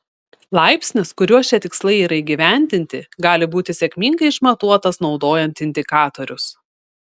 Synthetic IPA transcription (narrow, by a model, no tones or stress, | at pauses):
lˠɑˑɪpʲsʲnʲɪskʊɾʲuɔʃʲɛt̪ʲɪkslˠɐɪiːɾɐɪɡʲɪʋʲæˑnʲd̪ʲɪnʲt̪ʲɪɡɑːlʲɪbuːt̪ʲɪsʲɛkʲmʲiːŋɡɐɪɪʃmɐt̪uɔt̪ɐsnɒʊd̪oːjɛnʲt̪ɪnʲd̪ʲɪkɑːt̪oɾʲʊs